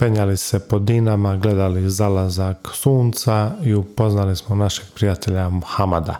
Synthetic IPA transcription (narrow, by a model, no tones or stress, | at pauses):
peɲalisepo̞d̪inamaɡle̞d̪alizalazaksuːnt̪saiupo̞znalismonaʃeɡ̥̚pɾijat̪eʎamuxamad̪a̰